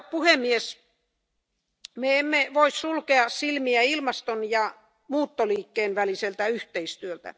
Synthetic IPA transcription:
puhemːies | meemːeʋoissulkeɑssilmiæilmɑst̪onjɑ | muːt̪ːoliːkːeːnʋæliselt̪æyht̪eist̪yølt̪æ̰

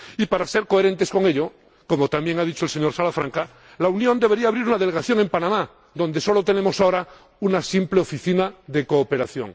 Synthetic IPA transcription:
ipaɾase̞ɾko̞e̞ɾẽ̞nt̪e̞sko̞ŋe̞ʎo̞ | ko̞mot̪ambje̞ŋað̞it͡ʃo̞else̞ɲo̞ɾsalafɾaŋka | launjond̪e̞βe̞ɾiaːβɾiɾunað̞e̞leɣaθjo̞ŋẽ̞mpanãma | ðo̞nd̪e̞so̞lo̞t̪enẽ̞mo̞sao̞ɾa | unasimple̞o̞fiθinaðe̞koːpe̞ɾaθjo̞̰ŋ

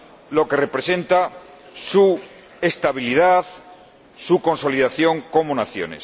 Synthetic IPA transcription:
lo̞ke̞re̞pɾe̞se̞nt̪a | su | e̞st̪aβiliðað | suko̞nso̞liðaθjo̞ŋko̞monaθjo̞̰ne̞̰s

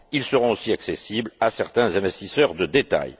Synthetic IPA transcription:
ilsəʁɔ̃osiaksesiblasɛʁt̪ɛ̃zɛ̃vɛst̪isœʁd̪əd̪et̪a̰j

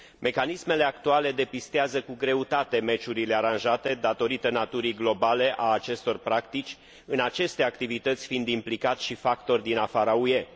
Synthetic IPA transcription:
mʔe̞kanisme̞le̞ak̚t̪uale̞d̪e̞pist̪eazəkuɡɾe̞ut̪at̪e̞me̞t͡ʃuɾile̞aɾanʒat̪e̞d̪at̪o̞ɾit̪ənat̪uɾiɡlo̞bale̞ʔaːt͡ʃe̞st̪o̞rpɾakt̪it͡ʃʲ | ɨnat͡ʃe̞st̪e̞akt̪ivit̪ət̪sʲfind̪implikat̪ʲʃifakt̪o̞rʲd̪inafaɾauje̞

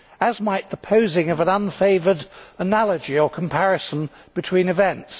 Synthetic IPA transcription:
əzmaɪʔ̪̚ðəpʰəʊzɪ̃ŋʌvə̃nʌ̃nfeɪvədənælˠəd͡ʒiəkʰə̃m̩pʰæɹɨsə̃nb̥ɨtʰw̥ĩnɨvɛ̃nts

